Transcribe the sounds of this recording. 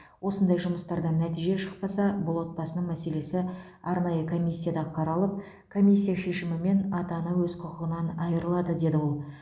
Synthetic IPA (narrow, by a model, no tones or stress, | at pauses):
wo̞sənd̪ɑjʒʊməst̪ɑɾd̪ɑnæt̪ijʒe̞ʃə̥q̚pɑsɑbʊlˠwo̞t̪̚bɑsənəɴmæse̞le̞sɪ | ɑɾnɑjəkʰo̞mʲijsʲːijad̪ɑqʰɑɾɑlˠəp̚ | kʰo̞mʲijsʲːijaʃe̞ʃɪmɪme̞nɑt̪ɑnɑwɵzqʰʊqəʁənɑnɑjəɾəlˠɑd̪əd̪e̞d̪ɪwo̞lˠ